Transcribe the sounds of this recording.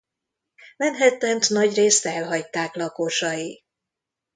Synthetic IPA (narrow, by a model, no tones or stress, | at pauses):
mɛnɦɛt̪ːɛnt̪nɒɟreːst̪ɛlɦɒct̪ːaːklɒkoːʃɒji